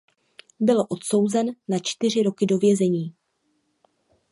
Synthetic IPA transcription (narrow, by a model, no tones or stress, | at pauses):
bɪloʔo̞t̪so̞wzɛnːat͡ʃt̪ɪr̝ɪɾo̞kɪdo̞vjɛzɛɲiː